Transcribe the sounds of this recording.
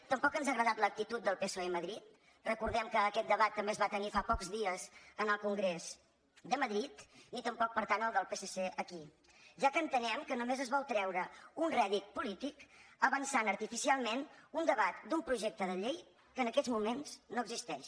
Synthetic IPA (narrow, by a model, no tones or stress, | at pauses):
t̪əmpɔkənzaɣɾəðat̪lək̚t̪it̪ut̪̚d̪əlˠpesoeməðɾit̪̚ | rəkuɾðɛmkəːkɛt̪̚d̪əβat̪ːəmbeəzβat̪ənifapɔkzðiəzənəlˠkuŋɡɾez | d̪əməðɾit̪nit̪əmpɔk̚pəɾt̪anəlˠd̪əlˠpesəseʔəki | ʒakəːnt̪ənɛmkənumezəzβɔlˠt̪ɾɛwɾəunrɛðit̪̚pulit̪ikəβənsanəɾt̪ifisialˠmenund̪əβat̪d̪umpɾuʒɛk̚t̪əðəʎej | kəːnəkɛzmumenznoəɡzist̪ɛʃ